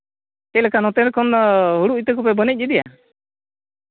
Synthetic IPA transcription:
kɛlɛkanɔt̪ɛɾkɔnɦuɽuʔit̪ək̬ɔpɛbənic̚ˀːɛd̪ɛja̰

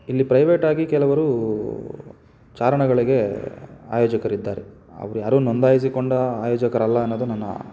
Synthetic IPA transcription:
ilːipɾɐjʋeːʈaːɡikɛlɐʋɐɾu | t͡ʃaːɾɐɳɐɡɐɭiɡe̞aːjɔːd͡ʒɐkɐɾid̪ːaːɾe | ɐ̰ʋɐɾujaːɾuːnond̪aːjis̬ikoɳɖɐaːjɔːd͡ʒɐkɐɾɐlːɐːnːoːd̪unɐnːɐ̰

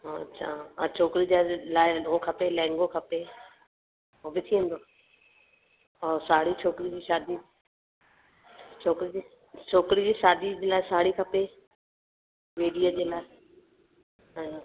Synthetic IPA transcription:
ɦoɐ̰tːʃʰaːt͡ɕʰoːkɾid͡ʑaːlaːɪɗõkʰɐpelɛ̃ːŋɡokʰɐpe | oːʋɪt̪ʰiə̃nd̪oː | ɔːɾsaːɽit͡ɕʰoːkɾid͡ʑiːʃaːd̪ʱi | t͡ɕʰoːkɾid͡ʑi | t͡ɕʰoːkɾid͡ʑiːʃaːd̪ʱid͡ʑeːlaːɦɪsaːɽikʰɐpe | ʋeːɖijəd͡ʑeːlaːɪ

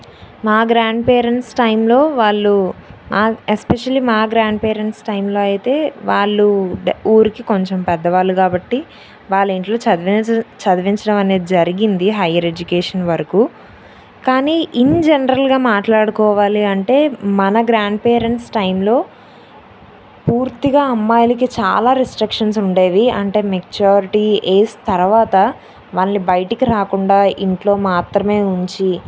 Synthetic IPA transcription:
maːɡɾaːɳɖpeːɾeɳʈsʈɐjmlo̞ːʋaːɭːumʔaːespeʂɐlimaːɡɾaːɳɖ̚peːɾeɳʈsʈɐjmlo̞ːɐjit̪e̞ːʋaːɭːuuːɾikiko̞ɲt͡ʃempɛd̪ːɐʋaːɭːukaːbɐʈːi | ʋaːɭːiɳʈlo̞ː | t͡ʃɐd̪ɐʋiɲt͡ʃɐɽɐmɐne̞ːd̪id͡ʒɐɾiɡind̪iɦɐjːɐɾed͡ʒukeːʂɐnʋɐɾɐkuː | kaːniːʔiɲd͡ʒenɐɾɐlɡaːmaːʈlaːɽukɔːʋaːliɐɳʈe̞ːmɐnɐɡɾaːɳɖ̚peːɾeɳʈsʈɐjmlo̞ː | puːɾt̪iɡaːɐmːaːjulikit͡ʃa̰ːlaːɾesʈɾikʂɐns̬uɳɖeːʋiɐɳʈe̞ːmekt͡ʃaːɾiʈieːsi̥t̪ɐɾʋaːt̪ɐ | ʋaːlːibɐjʈikiɾaːkuɳɖaːiɳʈlo̞ːmaːt̪ɾɐme̞ːuɲt͡ʃi

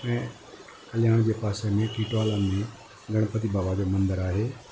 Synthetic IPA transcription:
ɛ̃ː | ɐljaːɽ̃d͡ʑeːpaːsemẽkiːʈwaːlamẽ | ɡʱɐɽ̃pət̪̬ibaːʋaːd̪emɐ̃nd̪əɾaːɦeː

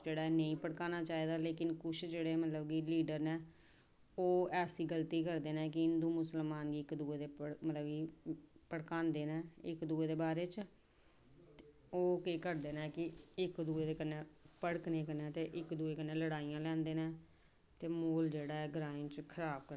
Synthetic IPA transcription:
d͡ʒeːɽaːɛːnəĩːpəɽkaːnaːt͡ʃaːiːd̪aːleːkɪnkʊt͡ʃʰd͡ʒeːɽeːmət̪ləbɡiːliːɖəɾnɛ̃ː | oːɛːsiːɡəlt̪iːkəɾd̪eːnɛ̃ːk̬ɪɪnd̪uːmʊsəlmaːnɡiːɪkd̪uːeːd̪eːəɽmət̪ləbiːpəɽkaːnd̪eːnɛ̃ːɪ̰kd̪uːeːd̪eːbaːɾeːt͡ʃ | oːkeːkəɾd̪eːnɛ̃ːkɪɪkd̪uːeːd̪eːkənːeːpəɽknẽːkənɛ̃ːt̪eːʔɪkd̪uːeːkənːeːləɽaːijãːlɛ̃ːnd̪eːnɛ̃ː | t̪eːmoːld͡ʒeːɽaːɦɛːɡəɾaːĩt͡ʃkʰəɾaːb̚kəɾ

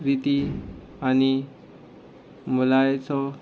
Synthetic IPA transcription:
ɾit̪i | ani | mulajt͡sɔ

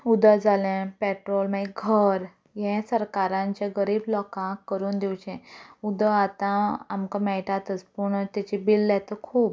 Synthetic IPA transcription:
ud̪əd͡zalɛ̃pɛʈɾɔlmaiɡʱəɾ | jɛ̃səɾkaɾãɲt͡ɕjaɡəɾiːblɔkãkːəɾuːnd̪iwt͡ɕɛ̃ud̪əat̪ãamkãmɛʈat̪ət͡spuɳət̪jat͡ɕibilːat̪əkʰuːb

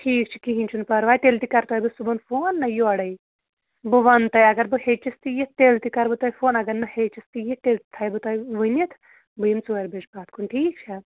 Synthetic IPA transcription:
ʈʰiːk̚t͡ʃʰi̥kiɦinʲt͡ʃʰunpɐɾʋaːjt̪elt̪ikɐɾt̪ɔːjbɨsubunfʰoːnːɐjoɐɽɐj | bɨʋɐnt̪ɐjɐɡɐɾbɨhet͡ʃist̪ijet̪eːlt̪ikɐɾbɨt̪ɔːjfʰoːnɐɡɐnːɐhet͡ʃist̪ijet̪elt̪it̪ʰɐjbɨt̪ɐjʋɨnit̪ʰ | bɨjimt͡suːɐɾbet͡ʃbaːt̪̚kʰunʈʰiːk̚t͡ʃʰɐ

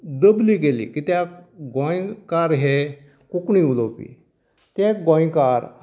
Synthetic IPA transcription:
d̪əbliːk̬elḭːkɪt̪aɡoĩkaɾɦe | kʊkɳiːuloːpḭː | t̪eɡõːĩkaːɾ

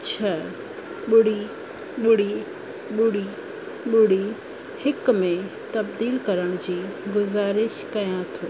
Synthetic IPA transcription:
t͡ɕʰɐ | ɓʊɽ̤i | ɓʊɽ̤i | ɓʊɽi | ɓʊɽi | hɪkmẽt̪ɐbd̪iːlkɐɾəɽ̃ʊd͡ʑiːɡʊzaːɾɪʃkɐjãt̪ʰuː

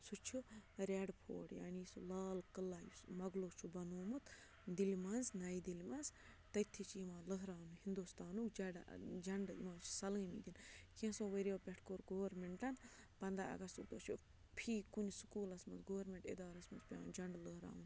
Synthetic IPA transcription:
sut͡ʃʰuɾʲeːɖpʰo̰ːɽja̰ːnisulaːlkəlːaːjusmɐɡloːt͡ʃʰubɐnoːmut̪ | d̪ilimɐnznɐid̪ilʲmɐnz | t̪ɐt̪ʰːit͡ʃʰijimãːlɨɦɾaːnuhind̪ust̪aːnukd͡ʒɐɖ̰d͡ʒɐɳɖḭmãːt͡ʃʰi̥sɐlimḭd̪inkʰẽsõʋɐɾʲioːpʲeʈʰkoːɾɡoːɾmeɳʈɐn | pɐnd̪ɾaɐ̰ɡɐst̪ud̪oːt͡ʃʰu | pʰiːkunsu̥kuːlɐsmɐnzɡoːɾmeɳʈḛd̪aːɾɐsmɐnzpʲja̰ːd͡ʒɐɳɖlɨɦɾa̰ːun

